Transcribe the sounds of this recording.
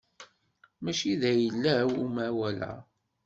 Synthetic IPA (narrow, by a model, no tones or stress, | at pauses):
mæʃiðæjəlːæwumæwælæ̰